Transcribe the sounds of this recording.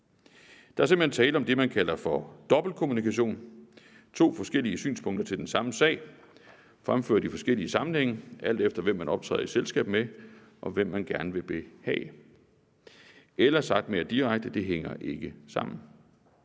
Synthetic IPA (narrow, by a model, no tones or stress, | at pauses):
d̥ɑ̈æɐse̝mbl̥hent͡sʰɛːləɒ̽md̥e̝mænkʰælɐfɒ̽d̥ɒ̽b̥l̩kʰo̝munikʰæɕo̝̰ːn | t͡sʰo̝̰ːfɒ̽sɡ̥el̰iəsy̰ːnspʰɔ̽ŋ̰d̥ɐt͡sʰe̝ld̥ensɑ̈məsɛ̰ɪ̰ | fʁamfø̰ɐd̥ifɒ̽sɡ̥el̰iəsɑ̈mn̩heŋ̰əʔæl̰d̥efd̥ɐʋem̰ːænɒ̽b̥̚t͡sʰʁɛ̰ːð̰ˠiselsɡ̥ɛ̰ːb̥me | ʔɒ̽ʋem̰ːænɡ̥æɐnəʋe̝b̥e̝hɛ̰ː | elɐsɑ̈ɡ̥̚d̥me̝ːɐd̥iʁɑ̈ɡ̥̚d̥əd̥e̝ɦeŋɐʔe̝ɡ̥əsɑ̈m̰n̩